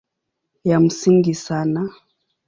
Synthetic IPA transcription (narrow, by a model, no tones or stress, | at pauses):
jam̩siŋɡisana